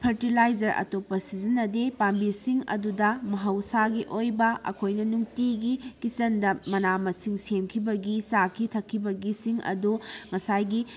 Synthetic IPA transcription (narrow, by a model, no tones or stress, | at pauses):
pʰɐɾtilajd͡ʒɐɾɐ̰topːɐsizinːɐdepambisiŋɐ̰dudɐmɐɦɐwsaɡiʔojbɐʔɐ̰kʰojnɐnuŋtiɡikisɐndɐmɐnamɐsiŋsemkʰibɐɡisakʰitʰɐkʰːibɐɡisiŋɐ̰duŋɐsajɡi